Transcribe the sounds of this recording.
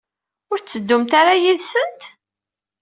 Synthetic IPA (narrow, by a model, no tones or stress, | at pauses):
ʊɾt͡sːəd̪ːʊmt̪aɾajiðsənt̪